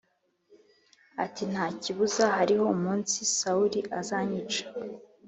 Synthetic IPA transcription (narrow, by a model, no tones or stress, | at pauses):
atin̥haːciβuzahaɾiho̞umuːnsisauɾiʔazaːɲit͡ʃḁ